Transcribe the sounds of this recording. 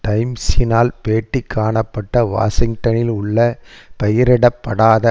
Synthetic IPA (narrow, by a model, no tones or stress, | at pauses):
ʈɐɪmsɪnaːlpeːʈːɪkʰːaːɳɐpːɐʈːɐʋa̰ːʂɪŋɡʈɐnɪlʊɭːɐpɐjɪɾɛɽɐpːɐɽaːðɐ